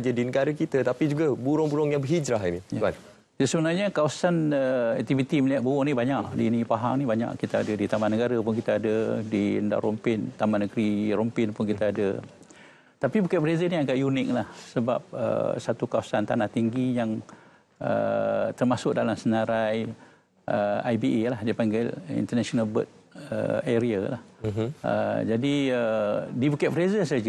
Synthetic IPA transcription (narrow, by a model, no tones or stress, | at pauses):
d͡ʒadinəɡaɾakit̪ət̪apid͡ʒuɡabuɾʊŋbuɾʊŋjaŋbəɦid͡ʒɾaɦinijan | dasəbənarɲakawasanəɛ̰k̚t̪ivit̪iməliat̪̚buʊŋnibaɲaʔdḭnipaɦa̰ŋnibaɲa̰ʔkit̪aa̰dədit̪amanəɡaɾəpʊnkit̪aadədiənda̰ʔɾɔmpɪnt̪amanəɡɾiɾɔmpɪnpʊnkit̪aadə̰ | t̪apibukɛt̪̚fɾezəniaɡaʔjunɪk̚lahsəba̰p̚ə̰sat̪ukawasant̪anaht̪iŋɡijaŋ | ə̰t̪ərmasʊk̚dalamsənaɾaj | ʔəa̰jbiʔelahdapaŋɡɪlḭnt̪ərnasionalbə̰t̪̚ | ə̰eɾiala̰hə̰d͡ʒadiədibukɛt̪̚fɾezəsad͡ʒ